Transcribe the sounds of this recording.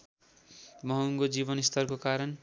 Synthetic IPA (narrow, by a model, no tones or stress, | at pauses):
mʌɦuŋɡod͡zibʌnist̪ʰʌrkokaɾʌn